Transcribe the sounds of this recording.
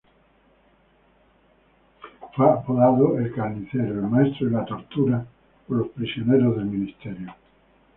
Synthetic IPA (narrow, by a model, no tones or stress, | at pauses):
faːpːoðaːðoilkanisɛɾoelmaɛst̪ɾoelat̪ort̪uːɾa | kolːospɾisionɛɾoðelminist̪ɛɾjo